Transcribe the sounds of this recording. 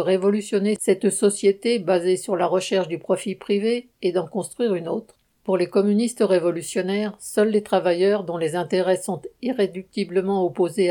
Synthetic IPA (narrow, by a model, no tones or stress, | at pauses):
ʁevɔlysjɔnesɛt̪sɔsjet̪ebazesyʁlaʁəʃɛʁʃd̪ypχɔfipχiveː | d̪ɑ̃kɔ̃st̪χwɥiʁynot̪χ | puʁlekɔmynist̪ʁevɔlysjɔnɛʁsœlːet̪χavajœʁd̪ɔ̃lezɛ̃t̪eʁɛsɔ̃t̪iʁed̪yk̚t̪ibləmɑ̃ɔpoze